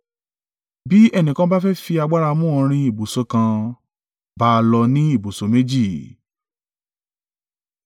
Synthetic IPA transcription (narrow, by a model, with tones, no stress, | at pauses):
bi˦ɛ˦˨nĩ˨kã˧ba˦fɛ˦fi˧a˧ɡ͡ba˦ɾa˧mũ˦ɔ̃˧ɾ̃ĩ˧i˨bo˨so˧˦kã˧ | ba˦˧lɔ˧nĩ˦i˦˨bo˨so˨˦me˦d͡ʒi˦˨